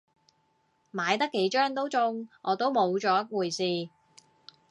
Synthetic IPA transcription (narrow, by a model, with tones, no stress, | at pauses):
maː˨˧jt̪ɐ˥kːe˨˥jt͡ʃœː˥ŋt̪̬o˥wt͡sʊ˧ŋʔɔː˨˧t̪o˥wmo˨˧wt͡ʃɔː˨˥wuː˨˩jsiː˨˧